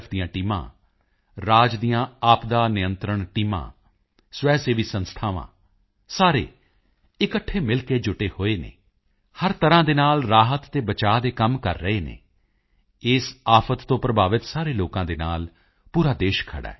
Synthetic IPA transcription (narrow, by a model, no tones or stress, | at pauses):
pʰd̪ijãːʈiːmã̰ː | ɾaːd͡ʒd̪ijãːaːpd̪aːnɪjənt̪ɾəɳʈiːmã̰ː | sʋɛːseːʋiːsənst̪ʰaːʋã̰ː | saːɾḛː | ɪkəʈʰːeːmɪlkeːd͡ʒʊʈeːhoːeːnḛː | həɾt̪əɾãːd̪eːnaːlɾaːɦət̪ːeːbət͡ʃaːd̪eːkəmkə̰ɾːəeːnḛː | ɪsaːpʰət̪ːõːpɾəbʱaːʋɪt̪saːɾeːloːkãːd̪eːnaːl | puːɾaːd̪eːʃkʰə̰ɽa̰ː